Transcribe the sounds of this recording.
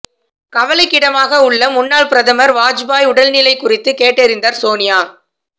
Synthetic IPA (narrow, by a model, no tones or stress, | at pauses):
kɐʋɐlɐɪkːɪɽɐmaːɣɐʊɭːɐmʊnːaːɭpɪɾɐðɐmɐɾʋaːd͡ʒbaːjʊɽɐlnɪlɐɪkːʊrɪt̪ːɯkeːʈːɛɾɪnd̪ɐɾsoːnɪjaː